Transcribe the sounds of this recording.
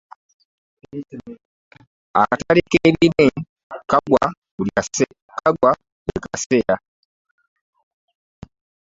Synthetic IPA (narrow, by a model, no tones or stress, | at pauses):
a̰katalikeːβime | kaɡwa | ul | kaɡwa | wekaseja